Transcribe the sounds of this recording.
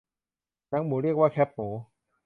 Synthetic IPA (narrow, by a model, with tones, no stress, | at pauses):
na˦˥ŋmuː˩˦ɾi˥˩ək̚waː˥˩kʰɛ˦˥p̚muoː˩˦